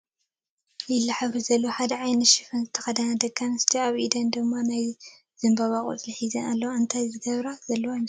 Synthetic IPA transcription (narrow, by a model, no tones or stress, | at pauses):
jɪlːaħaβɾɨzɐlːoħad̪ɐʕajnɨʃifɐnzɨt̪ʰɐ̥xɐd̪anad̪ɐkʰːanɨst̪ʰiaβʔid̪ɐnd̪ɨmːanaj | z̥ɨmbaβakʼṵt͡sʼliħizɐnalːɐwʔɨnt̪ʰajzɨɡɐβɾazɐlːɐwajmɐ